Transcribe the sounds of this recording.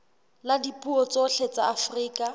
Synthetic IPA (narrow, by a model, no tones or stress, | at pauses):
ladipʼuɔt͡soɬʰet͡saːfriːkʼa